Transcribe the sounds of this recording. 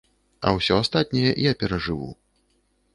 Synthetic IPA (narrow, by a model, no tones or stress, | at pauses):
ɐ̰wsʲɔast̪at̪̚ʲnʲɛjɛjapʲɛɾɐʐɨvṵ